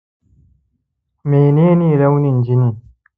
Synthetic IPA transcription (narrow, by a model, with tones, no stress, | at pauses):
meː˨ne˦niː˦˨ɾɐ˦wni˨nd͡ʒi˦ni˨